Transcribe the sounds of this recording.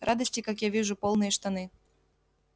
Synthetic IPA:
rʔad̪əsʲtʲɪkakjavʲiʐʊpolˠnɨjəʂt̪anɨ

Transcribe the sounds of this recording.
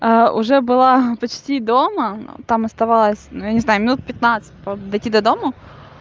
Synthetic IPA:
aʊ̰ʐɛbɨlˠapɐt͡ɕtʲid̪omət̪amɐst̪ɐvalˠəsʲnujanʲɪznajʊmʲɪnut̪̚pʲɪt̪̚nat̪sɨ̥t̚ʲpəd̪ɐjtʲid̪ɐd̪o̞mə

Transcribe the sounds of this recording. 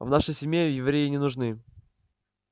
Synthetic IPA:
vnaʂəjsʲɪmʲjejɪvɾʲejɪnʲɪnʊʐnɨ

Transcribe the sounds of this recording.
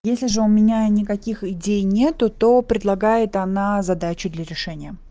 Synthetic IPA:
jesʲlʲɪʐɨʊmʲɪnʲanʲɪkɐkʲixɪdʲejnʲe̞t̪ʊt̪o̞pɾʲɪd̪lˠɐɡajɪt̪ɐnazɐd̪at͡ɕʊd̪lʲɐɾʲɪʂɛnʲɪjə

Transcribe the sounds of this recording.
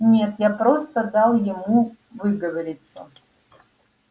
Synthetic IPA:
nʲet̪japɾo̞st̪əd̪alˠjɪmu | vɨɡəvəɾʲɪt̪sːə̰

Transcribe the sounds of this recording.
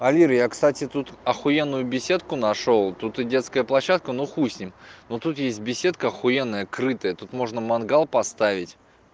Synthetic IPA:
ɐlʲiɾjakst̪atʲɪt̪ut̪ɐxʊenːʊjʊbʲɪsʲe̞t̪̚kʊnɐʂolˠt̪ut̪ɨdʲe̞t̪skəjəplˠɐɕːat̪̚kənuxusʲnʲɪmnot̪ut̪jesʲt̚ʲbʲɪsʲe̞t̪̚kəɐxʊe̞nːəjəkɾɨt̪əjət̪ut̪mo̞ʐnəmɐnɡalˠpɐst̪avʲɪtʲ

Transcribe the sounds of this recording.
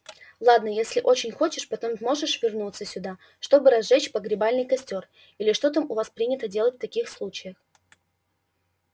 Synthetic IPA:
lˠad̪nəjesʲlʲɪʔo̞t͡ɕɪnʲxo̞t͡ɕɪʂpɐt̪ommo̞ʐɨʂvʲɪrnut̪sːəsʲʊd̪a | ʂt̪o̞bɨɾɐzʐɛt͡ɕpəɡɾʲɪbalʲnɨjkɐsʲtʲo̞r | ilʲɪʂt̪o̞t̪amʊvaspɾʲinʲɪt̪ədʲe̞lˠətʲft̪ɐkʲixslˠut͡ɕɪjəx

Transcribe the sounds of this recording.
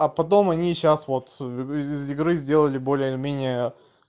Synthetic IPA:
ɐpɐt̪o̞mɐnʲiɕasvo̞t̪ɪɪɪzɪɡɾɨzʲdʲe̞lˠəlʲɪbo̞lʲɪjəɪlʲɪmʲenʲɪjə

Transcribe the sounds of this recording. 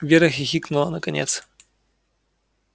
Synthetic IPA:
vʲeɾɐxʲɪxʲiknulˠɐnɐkɐnʲɛ̰t̪s

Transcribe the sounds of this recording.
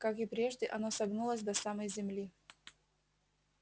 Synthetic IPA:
kakɪpɾʲe̞ʐdʲɪʔɐnosɐɡnulˠəsʲd̪ɐsaməjzʲɪmlʲi

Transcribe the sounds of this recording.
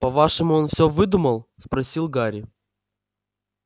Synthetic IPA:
pɐvaʂɨmʊonfsʲɵvɨd̪uməlˠspɾɐsʲilˠɡaɾʲɪ

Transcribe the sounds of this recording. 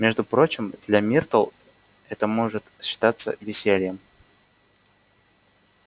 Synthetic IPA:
mʲeʐd̪ʊpɾo̞t͡ɕɪmd̪̥lʲamʲirt̪əlˠ | ɛt̪əmo̞ʐɨt̪ɕːɪ̥t̪at̪sːə̰vʲɪsʲelʲɪjəm

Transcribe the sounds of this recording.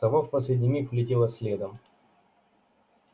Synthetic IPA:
ɐvofpɐsʲlʲɪdʲnʲɪmʲixvlʲɪtʲelˠəsʲlʲed̪əm

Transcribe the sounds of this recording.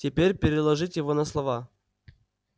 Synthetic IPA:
tʲɪpʲeɾʲpʲɪɾʲɪlˠɐʐɨtʲjɪvonəslˠɐva

